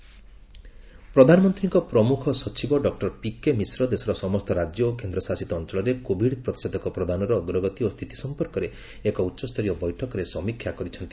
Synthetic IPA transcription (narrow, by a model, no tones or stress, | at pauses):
pɾɔd̪ʱanɔmɔnt̪ɾiŋkɔpɾɔmukʰɔsɔt͡ʃibɔɖɔk̚ʈɔɾpikemisɾɔd̪esɔɾɔsɔmɔst̪ɔɾad͡ʒjɔːkend̪ɾɔsasit̪ɔːnt͡ʃɔɭɔɾekobʱiɽpɾɔt̪ised̪ɔkɔpɾɔd̪ʱanɔɾɔːɡɾɔɡɔt̪iost̪ʰit̪ʰi̥sɔmpɔɾkɔɾe | ekɔutːʃɔst̪ʰɔɾijɔbɔjʈʰɔkɔɾesɔmikʰjakɔɾit͡ʃʰɔnt̪i̥